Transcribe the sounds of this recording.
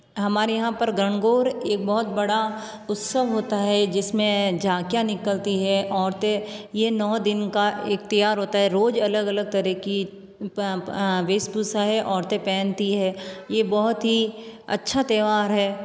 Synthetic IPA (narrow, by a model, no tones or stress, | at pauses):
ɦɐmaːɾjɐɦãpɐɾɡɐɳ̃ɡoːɾeːk̚bɔɦʊt̪̚bɐɽa | ʊt̪səʋɦoːt̪aɦɛd͡ʒɪsmẽd͡ʒʱaːkjãnɪkəlt̪iɦɛʔɔːɾt̪ejenɔːd̪ɪnkaʔeːk̚t̪ɐjaːɾɦoːt̪aɦɛɾoːd͡ʒɐləɡɐləɡ̚t̪ɐɾɛki | ʋeːsbuːsaɦɛʔɔːɾt̪epɛ̃ːnt̪iɦɛːjebɔɦʊt̪ɦiɐ̰tːʃʰat̪eːʋaːɾɦɛː